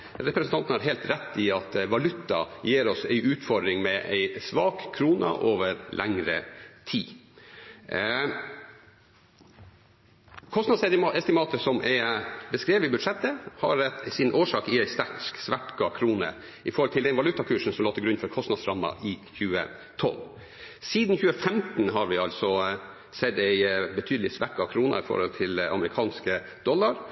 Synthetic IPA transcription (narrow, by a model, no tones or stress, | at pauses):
ɾɛpɾɛsnɑnt̪nəhɑɾɦɛːlt̪ɾɛt̪ːɪɑt̪ʋɑlʉt̪ːɑ̰jeːɾɔsæɪʔʉːt̪fɔɖ̪ɾɪŋmɛʔæ̰ɪsʋɑːkʰːɾuːnɑ̰ʔoːʋəɾlʔæŋɾət̪ʰiː | kʰɔst̪nɑd̪sɛt̪ɛst̪ɪmɑːt̪əsɔmʔɛbəskɾeːʋəɪbʉd̪ʂɛt̪ːəhɑ̰ɾsɪnʔoːʂɑːkɪæɪst̪ækksʋæʈkɑkʰɾuːnə̰ | ʔɪfɔɾhɔlt̪ʰɪld̪ɛnʋɑlʉt̪ɑkʰʉːʂn̩sɔmloːt̪ʰːɪɡɾʉnfɔɾkʰɔst̪nɑd̪sɾɑmːɑ̰ʔɪçʉːə̰ | t̪ʰɔ̰l | siːd̪n̩çʉːəfɛmt̪n̩ɦɑɾʋɪɑlsɔ | sɛd̪æɪbət̪ʰyːd̪əlɪsʋæʈkɑkʰɾuːnɑ̰ɪfɔ̰ɾhɔ̰lt̪ʰɪlɑ̰məɾɪkʰɑːnskə | d̪̥ɔlːɑɾ